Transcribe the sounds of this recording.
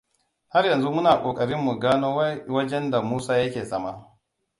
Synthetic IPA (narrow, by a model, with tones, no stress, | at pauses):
ha˦rjɐ˨nzu˦mʊ˦naː˨kʷʼoː˨kʼɐ˨ɽɪ˦mːu˨ɡaː˦noː˦wa˦wɐ˦d͡ʒɛ˦nda˨muː˦saː˦jɐ˦kʲeː˨sɐ˦ma˦